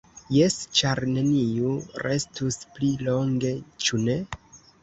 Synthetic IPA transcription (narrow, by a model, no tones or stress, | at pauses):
je̞st͡ʃaɾne̞niuɾe̞stusplilo̞ŋɡe̞t͡ʃune̞